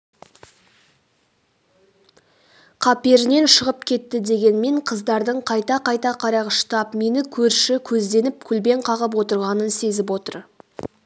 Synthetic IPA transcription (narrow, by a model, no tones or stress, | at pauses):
qʰɑpe̞ɾɪne̞nʃəʁəpkʲʰe̞t̪ːɪd̪e̞ɡʲe̞nme̞ɴqʰəzd̪ɑɾd̪əɴqʰɑjt̪ɑqʰɑjt̪ɑqʰɑɾɑʁəʃt̪ɑpme̞nɪkʲʰɵɾʃɪkʲʰɵzd̪e̞nɪp̚kʲʰʏlbe̞ɴqʰɑʁəp̬wo̞t̪əɾʁɑnənse̞zɪpwo̞t̪əɾ